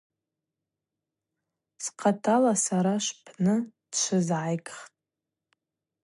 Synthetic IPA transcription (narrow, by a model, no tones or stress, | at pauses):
sqʰatʰalasaɾaʃʷpʰnɨd̥ʃʷʰɨzʕajkʼχtʼ